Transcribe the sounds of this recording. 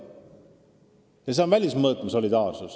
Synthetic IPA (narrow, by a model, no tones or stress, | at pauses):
jɑs̬eonvælʲismɤːt̪mɑso̞lid̪ɑːrsus